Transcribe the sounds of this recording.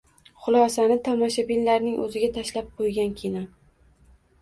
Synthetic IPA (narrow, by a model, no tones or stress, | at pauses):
χʊlˠɒsanɪt̪ʰɒmɒʃabilːaɾnɪŋʔɵ̰zɪɡʲat̪ʰaʃlap̚qʰojɡʲankʲʰinɒ